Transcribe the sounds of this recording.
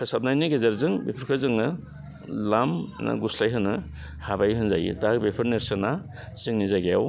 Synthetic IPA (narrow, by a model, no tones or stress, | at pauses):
kʰɯsap̚najniɡezaɾzɯŋbepʰɯɾkʰɯzɯŋɯ | lamna̰ɡuslajɦɯnɯ | habajɦɯnzajḭdak̚bepʰɯɾneɾsɯna | zɯŋnizaɡejaw